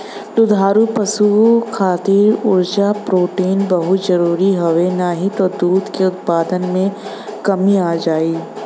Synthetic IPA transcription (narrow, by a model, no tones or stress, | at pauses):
d̪ʊd̪ʱaːɾupɐsukʰaːt̪iːɾʊɾd͡ʒapɾoːʈiːnbɐɦʊt̪zɐɾuːɾiɦɐʋenaɦit̪od̪uːd̪keʊt̪̚paːd̪ənmẽ | kɐmiaːd͡ʒaːiː